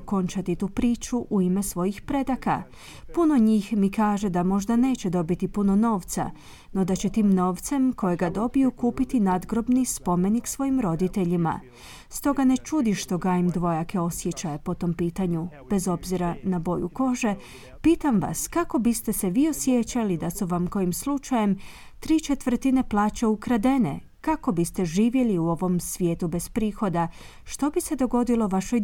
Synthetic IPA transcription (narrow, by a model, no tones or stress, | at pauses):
ko̞nt͡ʃat̪it̪uːpɾiːt͡ʃuʔuime̞sʋo̞jixpɾe̞d̪aka̰ | puno̞ɲiːxmikaːʒe̞d̪amo̞ʒd̪ane̞ːt͡ɕe̞d̪o̞bit̪ipuno̞no̞ːʋt̪sa̰ | no̞d̪at͡ɕe̞t̪iːmno̞ːʋt̪se̞mko̞jeɡad̪o̞bijukuːpit̪inad̪ɡɾo̞bnispo̞me̞niksʋo̞jimɾo̞d̪it̪e̞ʎima̰ | st̪o̞ɡane̞t͡ʃud̪iʃt̪o̞ɡaimd̪ʋo̞jakʰe̞o̞sje̞t͡ɕajepo̞t̪o̞mpiːt̪aɲu | b̥e̞zo̞bziɾanabo̞juko̞ʒe̞ | piːt̪amʋa̰skako̞bist̪e̞seʋio̞sje̞t͡ɕalid̪asuʋamko̞jimslˠut͡ʃaje̞m | t̪ɾiːt͡ʃet̪ʋr̩t̪ine̞plˠaːt͡ɕeukɾad̪e̞ne̞̰ | kako̞bist̪e̞ʒiːʋje̞liuo̞ʋo̞msʋje̞ːt̪ube̞spɾiːxo̞d̪a | ʃt̪o̞bise̞d̪o̞ɡo̞d̪ilo̞ʋaʃo̞j